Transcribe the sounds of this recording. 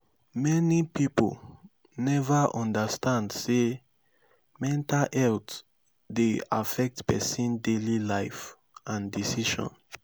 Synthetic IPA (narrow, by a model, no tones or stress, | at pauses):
mɛnipipo̰l | nɛvaʔɔ̃ndastãndse | mɛ̃ntalɛlt | dea̰fɛk̚tpɛ̰sĩndelilaɪf | ãndisiʃɔ̰̃n